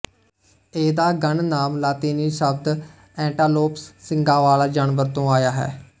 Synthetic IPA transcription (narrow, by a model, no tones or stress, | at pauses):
eːd̪aːɡəɳnaːmlaːt̪eːniːʃəb̚d̪ | ɛ̃ːɳʈaːloːpsːɪŋɡãːʋaːlaːd͡ʒaːnʋəɾt̪õːaːjaːɦɛ̰ː